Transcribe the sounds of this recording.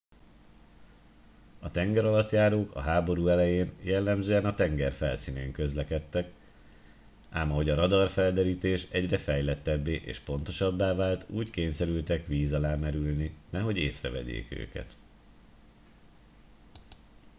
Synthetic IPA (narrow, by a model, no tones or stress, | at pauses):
ɒt̪ɛŋɡɛɾɒlɒt̪jaːɾoːkɒ̰ɦaːbo̞ɾuːɛlɛjeːnjɛlːɛmzøːɛnɒt̪ɛŋɡɛrfɛlsiːneːŋkø̞zlɛkɛt̪ːɛk | aːmɒɦo̞ɟɒɾɒd̪ɒrfɛld̪ɛɾiːt̪eːʃɛɟrɛfɛjlɛt̪ːɛbːeːʔḛːʃpo̞n̪t̪o̞ʃɒbːaːvaːlt̪uːckeːɲsɛɾylt̪ɛkʋiːzɒlaːmɛɾylninɛɦo̞ɟḛːsrɛ̰vɛ̰ɟḛːkø̰ːkɛ̰t̪